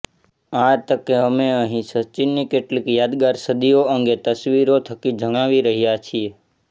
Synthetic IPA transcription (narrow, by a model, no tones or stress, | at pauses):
aɾt̪əkeəmeəɦĩsət͡ʃinːikeʈlikjad̪ɡaɾsəd̪ioəŋɡet̪əsʋiɾot̪ʰəkid͡ʒʱəŋaʋiɾəɦijat͡ʃʰie